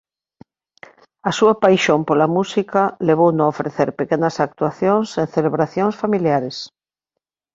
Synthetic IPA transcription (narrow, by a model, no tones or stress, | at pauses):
asuapajʃompolamusikaleβ̞ownõofɾeθeɾpekenɐsak̚t̪waθjoŋseŋθeleβɾaθjõŋsfamiljaɾes